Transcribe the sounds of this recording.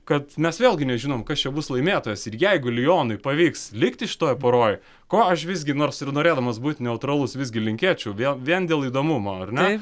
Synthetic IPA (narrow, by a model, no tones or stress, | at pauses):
kɐt̪mʲɛsʋʲeːlʲˠɡʲɪnʲɛʒʲɪnoːmkɐst͡ʃʲɛbʊslˠɐɪmʲeːt̪oːjɛsɪrjɛɪɡʊlʲɪjoːnɐɪpɐʋʲiːkslʲɪkt̪ʲɪʃʲɪ̥t̪oːjpɐɾoːj | koːɐʃʋʲɪsʲɡʲɪnoːɾsɪrnoːɾʲeːd̪ɐmɐsbuːt̪ʲnʲɛʊt̪ɾɐlˠʊsʋʲɪsʲɡʲɪlʲɪŋʲkʲiɛt͡ʃʲuːʋʲɛʋʲiɛnd̪ʲeːlˠiːd̪oːmumoːɐrnʲ